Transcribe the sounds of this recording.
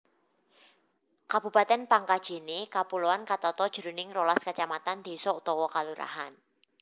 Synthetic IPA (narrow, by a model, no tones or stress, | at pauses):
kab̥ṳpat̪ɛnpaŋkad̥ʒ̥e̤nekapuloankat̪ɔt̪ɔd̥ʒ̥ɾunɪŋrolaskat͡ʃamat̪and̪̥e̤sɔut̪ɔwɔkaluɾa̰ɦan